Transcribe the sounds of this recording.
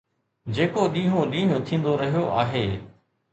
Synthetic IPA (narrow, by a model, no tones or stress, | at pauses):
d͡ʑeːkoɗĩːɦõɗĩːɦõt̪ʰĩːnd̪oɾɐɦijoʔaːɦeː